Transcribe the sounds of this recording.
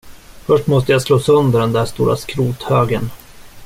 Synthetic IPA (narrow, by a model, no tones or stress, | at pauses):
fœʂʈmɔst̪əjasloːsœnd̪əɖɛnd̪æːʂt̪ṵːɾʔa̰skɾuːt̪høːɡən